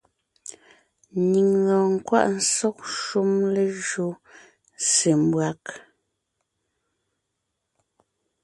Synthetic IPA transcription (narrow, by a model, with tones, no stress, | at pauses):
nɲi˨ŋːɔ˨ŋ̩˨kwa̰˦ʔn̩˦sɔ˦k̚ʃu˦mle˨ʒo˦ | se˨m̩˦bwa˨˦k